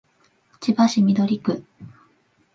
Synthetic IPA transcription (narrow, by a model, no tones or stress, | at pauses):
t͡ɕibaɕimʲid̪o̞ɾʲikɯ̟